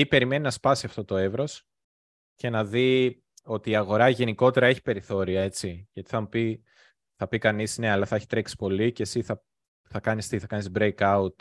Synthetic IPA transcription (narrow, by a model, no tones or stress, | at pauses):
ipe̞ɾime̞ninɐspɐsiɐft̪o̞t̪o̞e̞vɾo̞s | ce̞nɐði | o̞t̪iːɐɣo̞ɾɐʝe̞niko̞t̪e̞ɾɐe̞çi̥pe̞ɾiθo̞ɾiɐe̞t͡siʝɐt̪i̥θɐmupi | θɐpikɐnisne̞ɐlɐθɐeçi̥t̪ɾeksi̥po̞liceːsiθɐ | θɐkɐnist̪iθɐkɐnist̪bɾejkɐut̪̚